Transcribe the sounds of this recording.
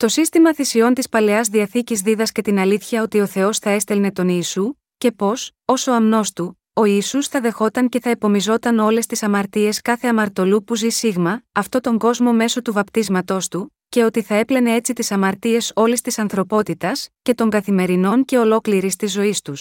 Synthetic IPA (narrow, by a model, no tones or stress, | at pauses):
t̪o̞sist̪imɐθisio̞nt̪ispɐle̞ɐzðiɐθicizðiðɐsce̞t̪inɐliθçɐo̞t̪io̞θe̞o̞sθɐe̞st̪elne̞t̪o̞niːsu | ce̞po̞s | o̞so̞ɐmno̞st̪u | o̞iːsusθɐðe̞xo̞t̪ɐŋce̞θɐepo̞mizo̞t̪ɐno̞le̞st̪isɐmɐɾt̪ie̞skɐθe̞ɐmɐɾt̪o̞lupuzisiɣmɐɐft̪o̞t̪o̞ŋɡo̞zmo̞me̞so̞t̪uvɐpt̪izmɐt̪o̞st̪u | ce̞o̞t̪iθɐe̞ple̞ne̞e̞t͡sit̪isɐmɐɾt̪ie̞so̞list̪isɐnθɾo̞po̞t̪it̪ɐsce̞t̪o̞ŋɡɐθime̞ɾino̞nce̞o̞lo̞kliɾist̪izːo̞ist̪us